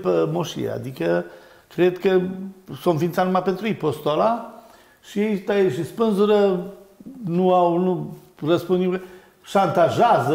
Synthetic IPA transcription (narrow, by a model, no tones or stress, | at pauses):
pəmoʃḭḛa̰d̪ikə | kɾe̞d̪kəsõnfint̪sanumapent̪ɾuipost̪ola | ʃiejt̪aeʃispɨnzuɾə | nuawnu | rəspund̪ʲikə | ʃant̪aʒazə